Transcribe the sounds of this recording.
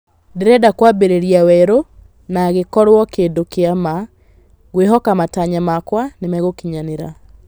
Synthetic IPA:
ndeɾɛdakwabeɾeɾiawɛɾo | naɣekɔɾwɔkeːndokeama | ɣweɦɔkamataɲamakwanemɛɣokiɲaneɾa

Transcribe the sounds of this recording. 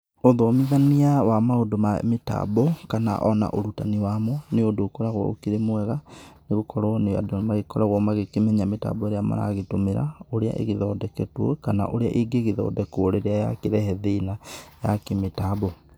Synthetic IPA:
oðomiðaniawamaodomameta̰bokana̰ʔɔna̰ʔoɾutaniwamɔneodoːkɔɾaɣwɔ̰o̰kiɾemwɛɣaneɣokɔɾɔnea̰donmaɣekɔɾaɣwɔmaɣekemɛɲameta̰bɔeɾeama̰ɾa̰ɣetomeɾa̰oɾea̰ʔḛɣeðɔːdɛkɛtwɔ̰kana̰ʔoɾeaʔiɡeɣeðɔ̰ːdɛkooɾeɾeaja̰keɾɛhɛðiːnajakemetabo

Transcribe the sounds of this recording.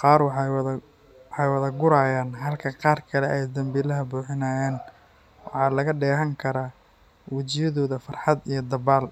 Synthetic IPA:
qɑːrwɑħɑw | ħɑjwɐðɐɡʊɾaːjaːnɦɐlkʰɐqɑːrkʰɐlɛʔɛjd̪ɐmbɪlɐɦɐbuːħɪnaːjaːn | wɑħɑːlɐɣɐɖɛːɦɐŋkʰɐɾaː | wɐt͡ʃɪjɐðɔːðɐfɑrħɑd̪ijɞd̪ɐβaːl

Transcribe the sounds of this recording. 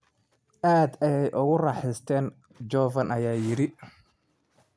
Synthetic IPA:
ʔaːd̪ɛjɛjʔʊɣʊrɑːħɪst̪ʰɛːn | d͡ʒɔːvɐnɐjaːjɪɾɪ

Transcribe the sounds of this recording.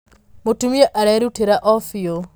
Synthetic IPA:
motumieʔaɾɛɾutiɾaʔɔfio

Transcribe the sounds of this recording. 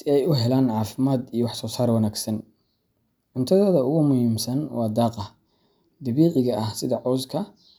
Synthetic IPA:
ɛjʊɦɛlaːnʕɑːfɪmaːd̪ijɞwɑħsɔːsaːɾwɑnaːɡsɐn | ʕʊnt̪ʰɐðɔːðɐʊɣʊmʊhiːmsɐnwɑːd̪ɑːqɑ | d̪ɐβiːʕɪɣɐʔɐhsɪðɐʕɔːskʰɐ

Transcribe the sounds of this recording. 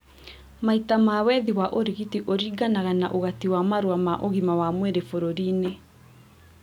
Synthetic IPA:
maitamawɛðiwaʔoɾiɣitiʔoɾiːɡanaɣanaʔoɣatiwamaɾwamaʔoɣimawamweɾefoɾoɾiːne

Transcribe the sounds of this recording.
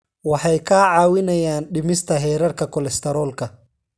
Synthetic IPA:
wɑħɑjkʰaːʕɑːwɪnɐjaːnɖɪmɪst̪ʰɐɦɛːɾɐrkʰɐkʰɔlɛst̪ʰɛɾɔːlkʰɐ

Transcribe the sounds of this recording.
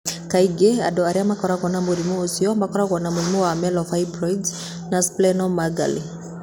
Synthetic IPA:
kaiɡɛa̰dɔaɾiamakɔɾakɔnamulimuːsiɔambakɔɾakɔnamulimɔwamɛlɔfaibɾɔjd | nasplɛnɔmaɡa̰lḭ

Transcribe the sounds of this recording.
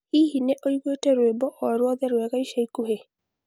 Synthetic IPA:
ihineʔoiɣwetɛɾwebɔʔɔɾwɔðɛɾwɛɣaiʃaikuɦe

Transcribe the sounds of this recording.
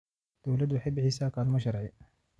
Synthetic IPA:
d̪̥ɔwlɐd̪wɑħɪjbɪħiːsaːkʰaːlʊmɐʃɐɾɛj

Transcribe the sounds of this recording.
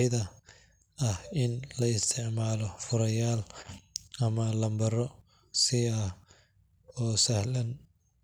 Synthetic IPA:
ɪðɐ | ɐhɪnlɐɪst̪ʰɪʕmaːlɔfʊɾɐjaːl | ʔɐmɐlɐmbɐɾɔ | sɪɐh | ɔːsɐhlɐn

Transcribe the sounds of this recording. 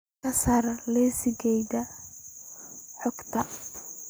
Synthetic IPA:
ɐsɐrlɛːsɪɡɛjðɐ | ħɔɡt̪ʰɐ

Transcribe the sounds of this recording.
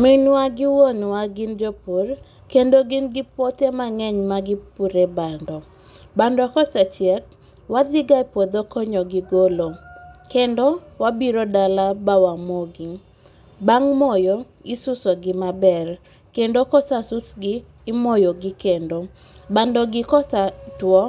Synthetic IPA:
mɪnwaɡɪwonwaɡɪnd͡ʒopur | kendoɡɪnɡɪpotemaŋɛɲmaɡɪpuɾebandɔ | bandɔkɔsɛt͡ʃɪɛt̚ | wad̪ɪɡaipod̪okɔɲɔɡɪɡolokendowabiɾodalabawamoɡi | baŋmɔjo | ɪsʊsoɡɪmabɛr | kendokɔsasʊsɡɪː | mojoɡɪkendo | bandɔɡɪkɔsatwɔ

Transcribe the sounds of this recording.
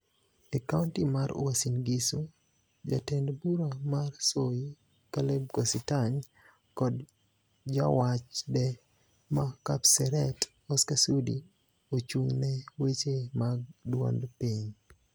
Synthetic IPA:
ɛkawntimaɾ̰wasinɡisu | d͡ʒa̰tɛndbuɾamarsoji | kalɛb̚ɡɔsɪtaɲ | kɔd | d͡ʒawat͡ʃdɛ | makapsɛɾɛt | ɔskasudi | ot͡ʃuŋnɛwet͡ʃemaɡ̚dwɔ̰ndpiɲ

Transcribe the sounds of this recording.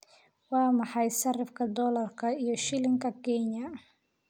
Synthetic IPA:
wɑːmɑħɑjʃɐrɪfkʰɐd̪ɔlɐrkʰɐijɞʃɪlɪŋkʰɐkʰɛɲɐ

